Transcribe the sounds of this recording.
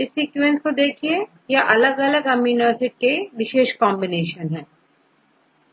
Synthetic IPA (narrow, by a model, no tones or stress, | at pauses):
ɪsiːkʋẽnskod̪eːkʰie | jaʔɐləɡɐləɡɐminəːɾsɪʈ̚keʋɪʃeːʃkɔːmbɪneːʃənɦɛ̃ː